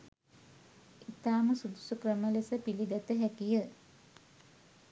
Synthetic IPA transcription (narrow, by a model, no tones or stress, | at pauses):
it̪aːməsud̪usukrəməlesəpiliɡ̪æt̪əɦækijə